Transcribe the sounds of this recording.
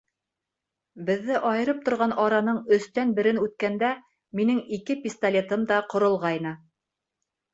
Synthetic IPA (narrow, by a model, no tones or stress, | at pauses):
bɘ̆ðːɘʔɑjɤ̆ɾɤp̚t̪ŏɾʁɑnɑɾɑnɤɴɵ̆st̪ænbɘ̆ɾɘnʉt̪̚kænd̪æ | minɘŋikɘpʲist̪alʲe̞t̪ɤmd̪ɑqŏɾŏlˠʁɑjnɤ